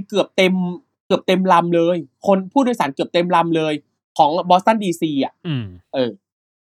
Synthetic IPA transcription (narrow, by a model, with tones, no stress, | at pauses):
kɯ˨˩əp̚t̪e˧m | kɯ˨˩əp̚t̪e˧mla˧mlɤː˧jkʰo˧npʰuː˥˩dːjsaː˩˦nkɯ˨˩əp̚t̪e˧mla˧mlɤː˧j | kʰɔː˩˦ŋbɔː˧˥sa˥˩ndiː˧siː˧ʔa˨˩ʔʔɤː˧˩